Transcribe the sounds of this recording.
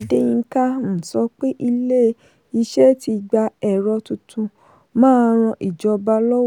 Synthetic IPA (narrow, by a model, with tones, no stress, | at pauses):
de˦j̃ĩ˧ŋ̩˦ka˦m̩̃˨sɔ˨˦k͡pe˦ʔi˧le˦ | i˧ʃɛ˦ti˧ɡ͡ba˧ɛ˨ɾɔ˧tu˧tũ˧ | mãː˦ɾ̃ɔ̃˧ʔi˨d͡ʒɔ˧ba˧˦lɔ˦w